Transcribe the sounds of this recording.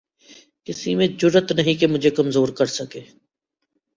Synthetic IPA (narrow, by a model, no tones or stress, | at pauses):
kɪsimẽd͡ʒʊɾət̪nɐɦĩkemʊd͡ʒʱekɐmzoːɾkɐɾsɐkeː